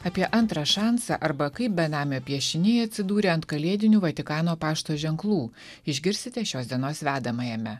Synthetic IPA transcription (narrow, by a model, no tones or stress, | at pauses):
ɑːpʲiɛʔɐnt̪ɾɐʃɑːnsɑ̰ʔɐɾbɐkɐɪp̚bʲɛnɑːmʲoːpʲiɛʃʲɪnʲɪɐt̪ʲsʲɪd̪uːɾʲeːɐnt̪kɐlʲiɛd̪ʲɪnʲuːʋɐt̪ʲɪkɑːnoːpɑːʃt̪oːʒʲɛŋklˠuː | ɪʒʲɡʲɪɾʲsʲt̪ʲɪt̪ʲɛʃʲoːsd̪ʲiɛnoːsʋʲæːd̪ɐmɐjɛmʲɛ